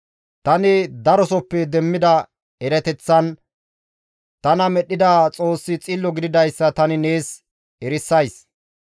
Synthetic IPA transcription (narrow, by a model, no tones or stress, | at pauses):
t̪ɐnɪd̪ɐɾɔsɔpːɛd̪ɛmːɪd̪ɐ | ɛɾɛt̪ɛt͡sːɐn | t̪ɐnɐmɛɗːɪd̪ɐt͡sʼo̞ːsːɪt͡sʼilːɔɡɪd̪ɪd̪ɐjsːɐt̪ɐnɪne̞ːs | ɛɾɪsːɐjs